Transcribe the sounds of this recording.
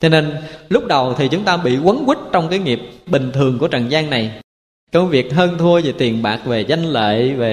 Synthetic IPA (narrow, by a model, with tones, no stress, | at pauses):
t͡ɕʰɔ˧ne˧nlʊ˦˥k͡p̚ɗə˨˩wt̪ʰi˨˩t͡ɕʊ˨˦ŋ͡mt̪aː˧ɓḭ˧˨kwə˨˦nkwi˦˥t̚t͡ɕɔ˧wŋ͡mkaː˨˦jŋi˨˩əp̚ɓï˨˩ŋ̟t̪ʰɨ˨˩əŋku˧˩ət͡ɕa̰˧˨ŋzaː˧ŋna˨˩j | kə˧wvi˨˩ək̚ɦəː˧nt̪ʰu˧əze˨˩t̪i˨˩ənɓaː˨˩k̚ve˨˩za˧jŋ̟lḛː˧˨ve˨˩